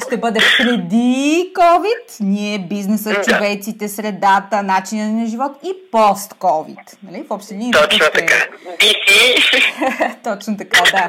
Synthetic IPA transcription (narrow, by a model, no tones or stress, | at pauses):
ʃt̪ɛbɤd̪ɛpɾɛd̪ikɔvit̪niɛbiznɛsət̪t͡ʃovɛjt̪sit̪ɛsɾɛd̪at̪ənat͡ʃinənɐʒivɔt̪ipɔst̪kɔvḭt̪nɐlifɔpʃt̪ɛd̪int̪ɔt͡ʃnt̪ɐka̰bisi | t̪ɔt͡ʃnot̪̬ɐkad̪a